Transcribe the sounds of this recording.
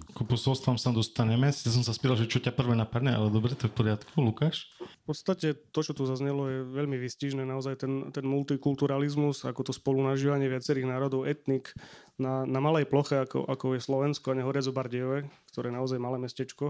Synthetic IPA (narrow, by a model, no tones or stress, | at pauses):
kɔpɔsɔlst̪amsamd̪ɔst̪aɲɛmɛsjas̬ɔmsaspit̪alʒɛt͡ʃɔcapr̩ʋɛnapad̪ɲɛa̰lɛd̪ɔbɾɛt̪ɔɛfpɔɾɪat̪kʰulukaːʃfpɔt̪st̪acɛt̪ɔt͡ʃɔt̪uzazɲɛlɔjɛʋɛʎmiʋisciʒnɛːnaɔzajt̪ɛnt̪ɛnmult̪ikult̪uɾalizmuzakɔt̪ɔspɔlunaʒiːʋaɲɪɛʋɪat͡sɛɾiːɣnaːɾɔd̪ɔʊɛt̪nik | nanamalɛjplɔxɛakɔ̰ʔakɔjɛslɔʋɛnskɔaɲɛɦɔɾɪad͡zɔbaɾɟiɔʋɛkt̪ɔɾɛːjɛnaɔzajmalɛːmɛscɛt͡ʃkɔ